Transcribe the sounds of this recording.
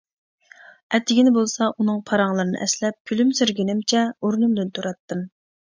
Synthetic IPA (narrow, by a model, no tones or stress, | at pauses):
ɛt̪ʰːɪɡʲinɪbolˠsɑʔunɨŋpʰɑɾɑŋlˠɨɾɨnɨ̰ʔɛslɛp̚kʲʰylymsyɾɡʲinɪmt͡ʃʰɛoɾnumd̪ɨnt̪ʰuɾɑt̪ʰːɨm